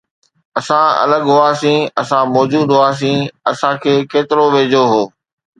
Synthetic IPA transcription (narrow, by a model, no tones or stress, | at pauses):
ɐsãɐ̰ləɡɦʊaːsĩɐsãmɔːd͡ʑuːd̪ɦʊaːs̬ĩːɐsãkʰeːkeːt̪ɪɾoʋeːd͡ʑoɦoː